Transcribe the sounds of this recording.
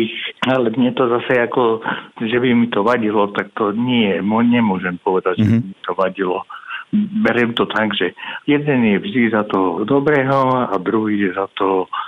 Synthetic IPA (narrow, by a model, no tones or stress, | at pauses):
ixalɛmɲɛt̪ɔzasajakɔʒɛbimit̪ɔʋaɟilɔt̪ak̚t̪ɔɲɪɛjɛmɲɛmʊɔʒɛmpɔʋɛd̪aɟʒɛbimit̪ɔʋaɟilɔ | bɛɾɛmt̪ɔt̪aɡʒɛjɛd̪ɛnjɛvʒd̪izat̪ɔd̪ɔbɾɛːɦɔad̪ɾuɦijɛzat̪ɔ